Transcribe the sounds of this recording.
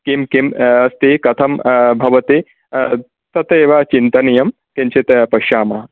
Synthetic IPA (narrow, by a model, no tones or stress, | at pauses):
kemkemɐst̪eːkɐt̪ʰɐmbʱɐʋɐt̪eː | t̪ɐt̪eːʋat͡ʃint̪ɐnɐjɐm | kẽnt͡ʃet̪ɐpɐʃaːmɐ